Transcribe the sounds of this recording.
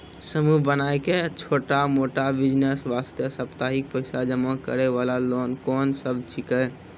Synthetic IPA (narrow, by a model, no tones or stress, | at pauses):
səmuɦbənajket͡ʃʰoːʈamoʈabid͡ʒnesʋast̪jəsəpt̪aɦik̚pəɪsad͡ʒəmakə̰ɾeʋalaloːnkɔːnsəbt͡ʃʰikɛ